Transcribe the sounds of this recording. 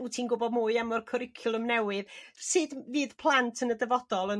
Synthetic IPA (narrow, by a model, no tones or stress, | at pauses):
utʰiːnɡʊbɔdmuɨamɔrkʰɔɾɪkʰjʊlˠəmnɛwɨðsɨdviːd̥pʰlˠantʰənədəvɔd̥ɔlˠən